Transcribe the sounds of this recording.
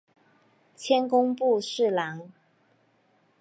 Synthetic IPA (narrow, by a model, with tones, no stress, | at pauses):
t͡ɕʰjɛ˥nkʊ˥ŋpu˥˧ʂɻ̩˥˩la˧˥ŋ